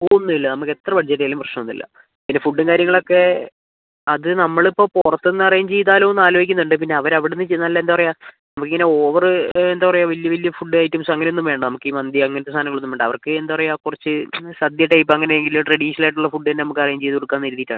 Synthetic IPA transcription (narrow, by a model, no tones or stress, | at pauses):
pounːuilːɐnɐmukːet̪rɐʋɐɖd͡ʑɐɾːɐjaːlumprɐʂnɐmonːḭlːɐ̰ | pinːe̞fuɖːɨŋkaːɾjɐŋːɐɭo̞kːe̞ | ɐðɨnɐmːɐɭipːo̞ːpurɐt̪ːenːɨɐrɐjaːmt͡ɕejt̪aːlonːaːloːɡikʲːunːuɳɖɨp̬inːe̞ɐʋɐɾɐʋiɽenːɨt͡ɕejnːaːlːɐend̪aːɐrɐjaːnɐmukːiŋːɐne̞oːʋɐrɨend̪aːʋɐrɐjaʋɐljɐʋɐljɐfuɖːɨaːjitːumsɐŋːɐnonːumʋeːɳɖɐnɐmukːiːmɐnd̪jɐɐŋːɐnet̪ːest̪aːnɐŋɐɭunːumʋeːɖɐʋɐrkːɨend̪aːʋɐrɐjakurɐt͡ɕːɨsɐd̪jɐʈːejipːoɐŋːɐneeŋɡilʈrɐɽiːʂɐnɐlaːjʈːuɭːɐfuɖːɨenːenɐmukːɐrɐjaːmt͡ɕejt̪ːuɽukːaːnːiɾuðːitːaːɳɨ